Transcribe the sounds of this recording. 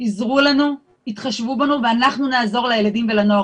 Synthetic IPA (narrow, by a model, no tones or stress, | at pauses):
izʁulanu | it̪χaʃvubanuveanaχnunaːzo̞ʁlajeladimvelanoa